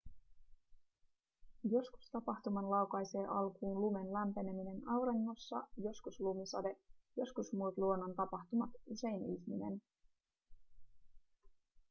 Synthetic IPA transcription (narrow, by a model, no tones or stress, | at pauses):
jo̞sku̥st̪ɑpɑxt̪umɑnlɑwkɑjse̞ːʔɑlkuːnlume̞nlæmpe̞ne̞mine̞nɑwɾenːo̞sːɑ̰jo̞skuslumisɑd̪e̞jo̞skusmuːt̪luo̞nːo̞nt̪ɑpɑxt̪umɑt̪use̞jniçmine̞̰n